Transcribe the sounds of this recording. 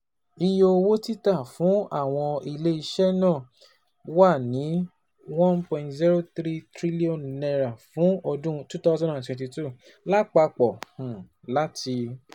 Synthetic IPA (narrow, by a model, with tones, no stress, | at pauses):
i˧jo˧wo˦ti˦ta˦˨fũ˨˦a˦˨w̃ɔ̃˧i˧le˦i˧ʃɛ˦nã˦˨ | wa˦˨nĩ˨˦ | wɔ̃˦npɔ̃˧˨ntzi˦ɾo˦t̪ɾi˦tɾi˦li˦o˦˨nnɛ˧ɾa˨fũ˨˦ɔ˧dũ˦tu˦t̪a˦zɔ̃˦˨ã˨twɛ̃˨ti˧tu˦˨ | la˦k͡pa˧k͡pɔ˨hũ˨ | la˦tʰi˧